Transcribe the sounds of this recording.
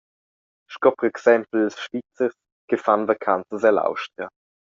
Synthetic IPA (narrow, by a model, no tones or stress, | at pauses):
ʃkɔpɔʁɛksɛmpl̩ːəsʃvit͡səs | ɡ̥əfanvakʰant͡səsɛla̰wʃtʁa